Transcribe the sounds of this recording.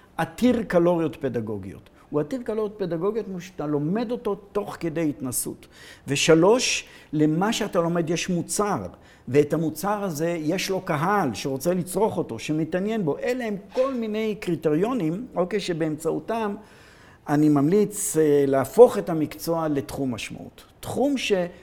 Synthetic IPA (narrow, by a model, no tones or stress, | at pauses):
ʔatiʁkalo̞ʁjo̞tpe̞daɡo̞ɡḭo̞̰t | uatiʁkalo̞ʁjot̪̚pe̞daɡo̞ɡijo̞t̪muʃt̪alo̞me̞do̞to̞to̞χke̞de̞jitnasṵtve̞ʃalo̞ʃle̞maʃeatalo̞me̞dje̞ʃmut͡saʁ | veːtamut͡saʁaze̞je̞ʃlo̞kaɦalʃeʁo̞t͡selit͡sʁo̞χo̞to̞ʃe̞metanje̞nbo̞ʔelehemko̞lmine̞jkʁite̞ʁjo̞nimokejʃe̞beːmt͡sautam | animamlit͡sleafo̞χe̞tamikt͡so̞ale̞tχumaʃma̰ʔṵtːχumʃe̞